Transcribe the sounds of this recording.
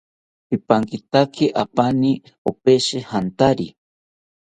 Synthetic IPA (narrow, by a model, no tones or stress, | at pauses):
pipaŋkit̪akʰiʔapani | opeʃihant̪aɾi